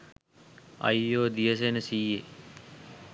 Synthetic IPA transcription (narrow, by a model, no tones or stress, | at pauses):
ɐ̰jːoːd̪ijəs̬enəsiːe